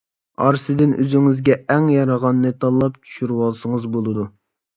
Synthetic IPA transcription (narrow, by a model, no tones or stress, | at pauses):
ɑɾsɨd̪ɪnʔø̰zyŋizɡʲɛɛŋjɑɾɑʁɑnːɨt̪ʰɑlˠːɑpt͡ʃʰy̥ʃyɾwɑlˠsɨŋɨzbolˠɨd̪u